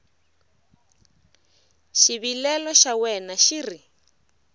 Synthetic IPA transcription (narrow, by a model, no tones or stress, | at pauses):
ʃiβilɛlɔʃawɛnaʃiri